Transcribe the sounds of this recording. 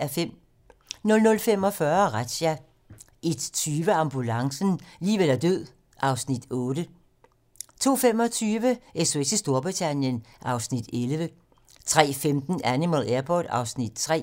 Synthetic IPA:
em̰ | nɔ̽lnɔ̽lfemɒ̽fɶɐʁḁɕæ | ʔed̥t͡sʰyːʋəɑ̈mb̥ulɑ̈ŋsn̩liːʋel̰æɐd̥øð̰ˠ | ʔɑ̈ʊsnid̥ɔ̽ːdə | t͡sʰo̝̰ːfem̰ɒ̽t͡sʰyːʋəʔeso̝et͡sʰisd̥o̝ɐb̥ʁit͡sʰænjənʔɑ̈ʊsnid̥elʋə | t͡sʰʁɛ̰ːfemd̥n̩ænimælæɐpʰɒ̰ːd̥ɑ̈ʊsnid̥̚t͡sʰʁɛ̰

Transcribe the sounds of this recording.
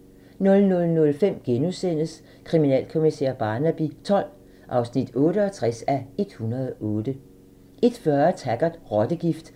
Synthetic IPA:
nɔ̽lnɔ̽lnɔ̽lfem̰ɡ̥enusen̰əs | kʰʁiminɛ̰ːlkʰo̝misḛɐ̰b̥ɑ̈ːnæb̥it͡sʰɒ̽l̰ | ʔɑ̈ʊsnid̥ɔ̽ːɾəɒ̽t͡sʰʁasæe̝d̥hunɐð̩ˠʔɔ̽ːd̥ə | ʔe̝d̥fɶɐt͡sʰæɡ̥ɐ̥ʁɒd̥əɡ̥ifd̥

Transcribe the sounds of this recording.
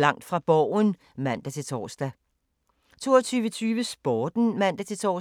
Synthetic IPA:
lɑ̈ŋ̰d̥fʁɑ̈b̥ɒʊ̰n | mæn̰d̥æt͡sʰe̝lt͡sʰɒ̰ːsd̥æ | t͡sʰo̝̰ːɒt͡sʰyːʋət͡sʰyːʋəsb̥ɒːd̥n̩mæn̰d̥æt͡sʰe̝lt͡sʰɒ̰ː

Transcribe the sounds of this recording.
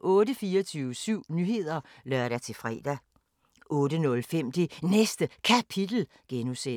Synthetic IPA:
ʔɔ̽ːdəfiːɐt͡sʰyːʊəsyʊ̰nyɦe̝ð̞̰ˠɐ | lɶɐɾ̥æt͡sʰe̝fʁɛ̰ːd̥æ | ʔɔ̽ːɾənɔ̽lfem̰d̥inesd̥əkʰæpʰid̥l̩ | ɡ̥enuse

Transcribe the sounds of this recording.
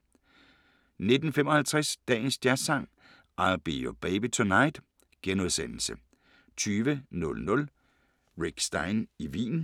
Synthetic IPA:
ne̝d̥n̩fem̰ɒ̽hælt͡sʰʁɛsd̥ɛ̰ːn̩sd̥jæɐsɑ̈ŋ̰ | ʔɑb̥iːob̥ɛɪb̥it͡sʰonɑ̈ɪ̰d̥ | ɡ̥enoð̞ˠsen̰l̩sə | t͡sʰyːʋənɔ̽lnɔ̽l | ʁiɡ̥sd̥ɑ̈ɪniʋḭːn

